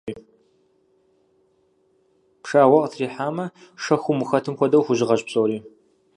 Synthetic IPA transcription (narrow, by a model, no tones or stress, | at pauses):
iː | pʂaːwɐqtʰriːħaːmɐʂɐxʷʊmɨxɐtʰɨmxʷɔdɐwxʷʊʑɪʁɐɕʼpsʼowɾiː